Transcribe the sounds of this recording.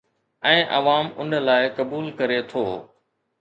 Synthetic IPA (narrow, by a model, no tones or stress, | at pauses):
ɛ̃ːʔɐ̰ʋaːmʊnlaːɪkɐbuːlkəɾet̪ʰoː